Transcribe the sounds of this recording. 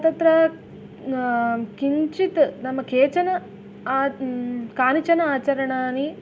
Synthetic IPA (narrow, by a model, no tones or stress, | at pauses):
ɐt̪ɐnt̪ɾɐ | kiɲt͡ʃit̪nɐmːɐkʰeːt͡ʃɐnɐː | kaːnit͡ʃɐnɐaːt͡ʃɐɾɐɳaːni